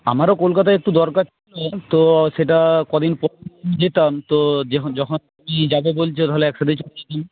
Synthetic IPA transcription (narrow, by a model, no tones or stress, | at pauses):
a̰maɾokolkat̪̬aek̚ʈud̪ɔɾkaɾt͡ɕʰilot̪oʃeʈakɔd̪inpɔɾmid͡ʑet̪amt̪od͡ʑd͡ʑɔkʰont̪umid͡ʑabebolt͡ɕʰot̪aɦoleɛkʃat̪̬it͡ɕoled͡ʑet̪am